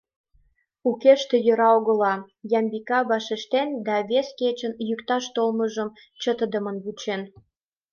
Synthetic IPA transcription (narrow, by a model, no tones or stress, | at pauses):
ukeʃt̪e̽jø̆ɾɑoɣə̆lɑ | jɑmbikɑβɑʃeʃt̪end̪ɑβesket͡ɕənjykt̪ɑʃt̪olməʒəm | t͡ɕət̪əd̪əmənβut͡ɕen